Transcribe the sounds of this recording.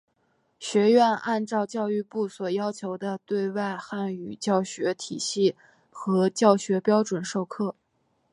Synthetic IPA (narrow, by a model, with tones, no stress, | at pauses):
ɕɥɛ˧˥ɥɛ˥˧nʔa˥˧nʈ͡ʂɑ˥˧ʊt͡ɕjɑ˥˧ʊy˥˧pu˥˩swɔ˨˩jɑ˥ʊt͡ɕʰjo˧˥ʊd̪ə˧t̪we˥˧ɪwa˥˧ɪxa˥˩ny˨˩t͡ɕjɑ˥˩ʊɕɥɛ˧˥t̪ʰi˨˩ɕi˥˩ | xɤ˧˥t͡ɕjɑ˥˩ʊɕɥɛ˧˥pjɑ˥ʊʈ͡ʂwə˨˩nʂo˥˧ʊkʰɤ˥˩